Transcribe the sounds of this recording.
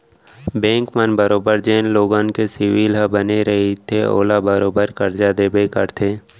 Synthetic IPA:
bẽːŋkmənbəɾoːbəɾd͡ʒeːnloːɡãːnkesɪʋiːlɦəbəneɾɐɦet̪ʰeo̰ːlabəɾoːbəɾkɐɾd͡ʒad̪eːbekəɾt̪ʰeː

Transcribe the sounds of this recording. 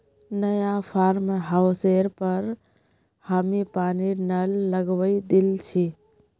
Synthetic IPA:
nəjapʰaɾmɦaʊseɾpəɾ | həmipaninəlːəɡʋəid̪ilt͡ʃʰi

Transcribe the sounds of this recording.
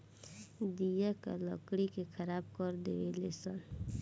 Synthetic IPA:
d̪ijaka̰ləkɽikekʰəɾabkəɾd̪eʋelesən

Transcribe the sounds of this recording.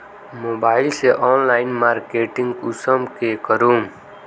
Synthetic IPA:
moːbaːɪlseʔɔːnlaːɪnmaːɾkeːʈɪ̃ŋɡʊsəmkekəɾuːm

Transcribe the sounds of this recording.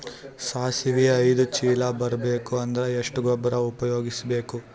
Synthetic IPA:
saːsiʋijɐɐjd̪ut͡ʃiːlɐbɐɾɐbeːkuɐnd̪ɐɾeeʂʈuɡɔbːɐɾɐupɐjo̞ːɡisɐbe̞ːku

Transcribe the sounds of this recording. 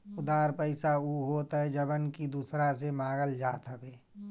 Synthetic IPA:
ʊd̪aːɾpəɪsauɦoːt̪ɦɛɛd͡ʒəbənkid̪uːsɾasemãːɡəld͡ʒaːt̪ɦəbeː

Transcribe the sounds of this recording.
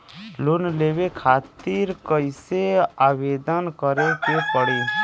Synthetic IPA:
lonleːʋekʰaːt̪iɾkəɪseaːʋeːd̪ənkəɾekepəɽiː

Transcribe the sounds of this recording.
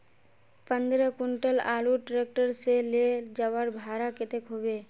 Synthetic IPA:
pə̃nd̪ɾəkʊɳʈəlaːluʈɾek̚ʈəɾseled͡ʒəʋəɾbʱaːɾakɪt̪ekɦoʋe

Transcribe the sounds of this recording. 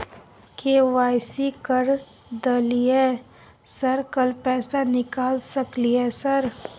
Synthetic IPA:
keːʋaːɪsikəɾ | d̪əliɦɛː | səɾkəlpɛːsanɪkaːlsɐkliɦɛːsəɾ

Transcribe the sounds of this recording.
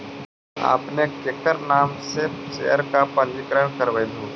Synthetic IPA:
a̰ːpnekekəɾnaːmset͡ʃejəɾkapəlikɾəɳkəɾʋəjd̪uː

